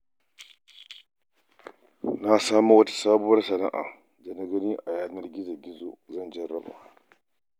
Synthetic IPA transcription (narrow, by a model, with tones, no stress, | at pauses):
na˦saː˦mu˦wɐ˦tḁ˦saː˦bʊ˦wɐ˦rsɐ˨na̰˦ʔa̰˨ | da˨na˦ɡɐ˦ni˦ʔa˨jaː˦˨nɐ˦rɡʲɪ˦za˨ɡʲɪ˦zo̰˨zɐ˦nd͡ʒɐ˦ɾa̰˦ba̰˨